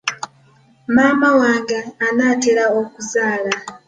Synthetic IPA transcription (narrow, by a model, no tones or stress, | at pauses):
maːmawaːŋɡaːnaːteɾaokuzaːla